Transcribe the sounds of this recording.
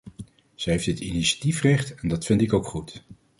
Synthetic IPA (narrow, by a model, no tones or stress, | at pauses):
z̥ɛɦejfdɪtḭniʃḁtifrɛχtɛndɑtfɪntɪkowkχut